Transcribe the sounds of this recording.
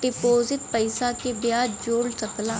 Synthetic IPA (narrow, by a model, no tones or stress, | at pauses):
ɖɪpoːzɪʈ̚pəɪsakebjaːdd͡ʒoːɽsɐklaː